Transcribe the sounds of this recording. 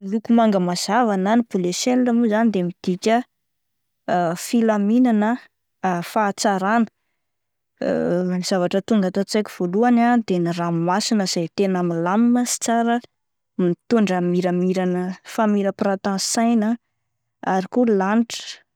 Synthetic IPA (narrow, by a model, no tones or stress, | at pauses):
lukumaŋɡəmaz̥avananibuleselːəmuzanid̪emid̪̥ikʲə | filaminanə | fat͡saɾanə̥ | niz̥avaʈ͡ʂət̪uŋɡat̪at͡sajkʲiv̥oluanad̪enirammasinəz̥ajt̪enamilamiməsi̥t͡saɾə | mit̪uɳɖ͡ʐəmiɾəmiɾanəfamiɾəpɾat̪ãsajnə | aɾikulanʈ͡ʂə̥